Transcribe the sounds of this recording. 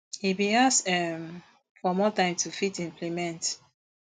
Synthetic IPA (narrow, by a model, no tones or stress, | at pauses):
hibĩasɛm | fɔmɔtãɪ̃mtʰufitĩmpʰlimɛ̃nt